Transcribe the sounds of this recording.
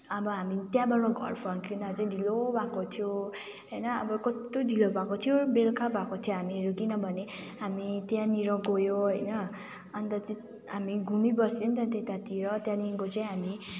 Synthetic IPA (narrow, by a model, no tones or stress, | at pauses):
ʌbʌɦamit̪jãbʌnoɡʱʌ̰rpʰʌnkinat͡saĩɖʱilobʱakot̪ʰijo | ɦʌjnʌʌbʌkʌst̪oɖʱilobakot̪ʰijobelkʰabakot̪ʰjoɦamiʌɾukinʌbʱʌneɦamit̪jãniɾʌ̃ɡojoɦʌjnʌː | nt̪ʌt͡saĩ | ɦamiɡʱumibʌsd̪int̪ãt̪et̪at̪iɾʌt̪jãniŋkot͡saĩɦami